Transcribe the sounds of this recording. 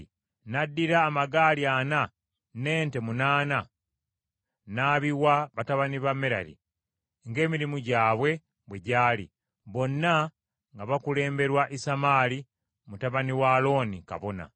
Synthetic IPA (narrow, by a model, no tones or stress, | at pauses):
nadːiɾaːmaɡaːliana | ne̞ːnte̞munaːna | naːβiwaβataβaniβamːeɾa̰ɾḭ | ŋɡe̞ːmiɾimuɟaːβwe̞ | βwe̞ɟaːlḭ | βo̞nːa | ŋɡaβakule̞ːmbe̞ɾwaʔisamaːli | mutaβaniwaːlo̞ːnika̰βo̞na̰